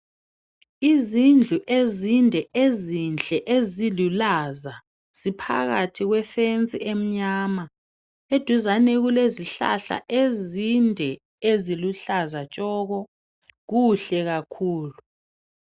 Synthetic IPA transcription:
izind͡ɮʱuʔezindʱɛʔezint͡ɬd͡ɮʼɛʔezilulaza | z̥ipʰa̰ɣatʰiɣwɛfent͡sʼiem̩ɲaːma | ed̥ʱuzanɛɣuleziɬa̰ɬa̰ʔezindʱɛ | eziluɬazat͡ʃʼɔɣɔ | ɣuɬɛɣakʰuːlu

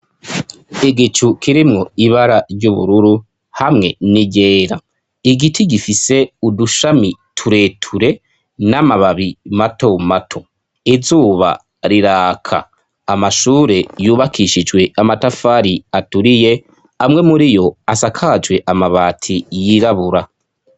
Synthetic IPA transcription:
iɡit͡ʃukiɾimŋoiβaɾaɾɟuβṵɾuɾu | hamŋe̞niɟe̞ːɾa̰ | iɡitʰiɡifise̞uduʃamitʰuɾe̞ːtʰuɾe̞ | namaβaβimato̞matʰo̞ | izuːβa̰ | ɾiɾaːkʰa̰ː | maʃuːɾe̞juːβakʰiʃid͡ʒwe̞ʔamatafaɾiatuɾije̞ | amŋe̞muɾijo̞asakʰad͡ʒwe̞ʔamaβaːtʰijiɾaβuɾa

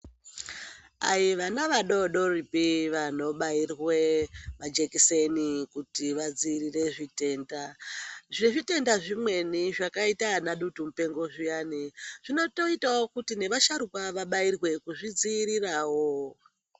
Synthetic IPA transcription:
a̰jiʋanaʋaɗo̞ɗo̞ripiʋano̞ɓairwe̞ʋad͡ʒe̞kise̞nikutiʋad͡ziːrire̞ʐite̞ːndaʐneʐite̞ndaʐimwe̞niʐakaitanaɗutum̩upe̞ŋɡo̞ʐijaniʐ̥ino̞to̞itawo̞kutine̞ʋaʃaɾukaʋaɓairwe̞kuʐid͡ziːɾiraːwo

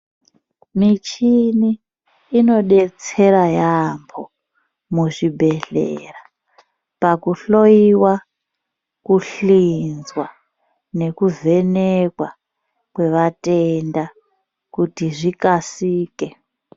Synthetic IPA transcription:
mit͡ʃiniː | no̞ɗe̞t͡se̞ɾajambʰo | muʐibʱe̞ɬḛra | pakuɬo̞iwa | kuɬinzwa | ne̞kuve̞nekwa | kwe̞ʋatenda | kutiʐikasiːke

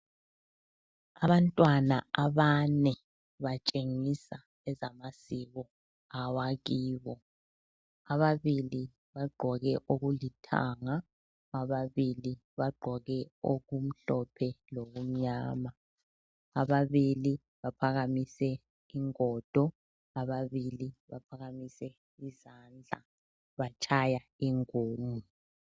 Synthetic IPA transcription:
aβantʼwanaaβanɛ | βat͡ʃʼeŋisa | ɛzamasiɣɔ | awaɣiːβɔ | aβaβili | βaɡ͡ǃʱɔɣɛʔoɣulitʰa̰ŋa | aβaβili | βaɡ͡ǃʱɔɣɛoɣum̩ɬɔpʰɛloɣum̩ɲaːmaː | βaβili | βapʰaɣamisɛ | iŋɔːd̥ʱɔ | aβaβiliβa̰pʰaɣamisɛ | izaːnd͡ɮʱa̰ | βat͡ʃʰajaiŋoːmu

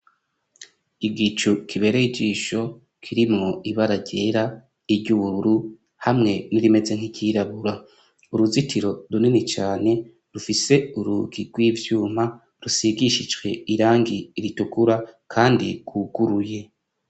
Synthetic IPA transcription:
iɡit͡ʃukʰiβe̞ɾeiɟiːʃo̞ | kʰiɾimŋo̞iβaɾaɟe̞ɾa | iɾɟuɾuɾu | hamŋe̞niɾime̞ze̞ŋhikɟiːɾaβuɾa | uɾuzitiɾo̞ɾuninit͡ʃaːne̞ | ɾufise̞uɾuɡiɡwiːvjuːma | ɾusiɡiʃid͡ʒɡwe̞iɾaːŋɡiɾitukuɾakʰaːndḭɡ̥wuɡ̥uɾuje̞

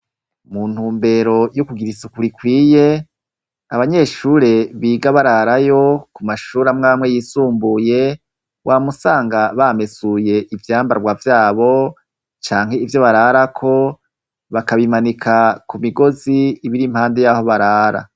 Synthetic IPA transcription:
mun̥huːmbe̞ɾo̞jukuɡiɾisukuɾikwiːje̞ | aβaɲe̞ːʃuɾe̞βiːɡaβaɾaɾajo̞kumaʃuːɾamŋaːmŋe̞jiːsuːmbuje̞ | wʔamusaːŋɡaβame̞suje̞ʔivjaːmbaɾɡwavjaːβo̞ | t͡ʃaːŋ̥he̞ivjo̞βaɾaɾakʰo̞ | βakaβimanikʰakumiɡo̞ziːβiɾim̥haːnde̞jaho̞βaɾaːɾa̰

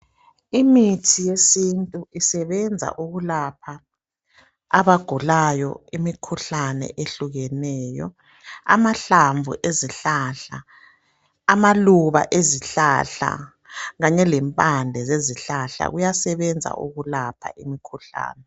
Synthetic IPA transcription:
imitʰijesintʼuisɛβɛnd͡zʱa̰ʔuɣulapʰa | aβaɡ̥ʱulajɔ̰imikʰuɬanɛ̰ʔeɬuɣɛnɛːjɔ̰ | a̰maɬaɱvʱṵʔeziɬaɬaː | maluβa̰ʔeziɬaɬa̰ | ɣaɲɛlɛmpʼandʱɛzeziɬaɬa̰ɣujasɛβɛnd͡zʱa̰ʔṵɣulapʰa̰ʔimikʰuɬa̰ːnɛ

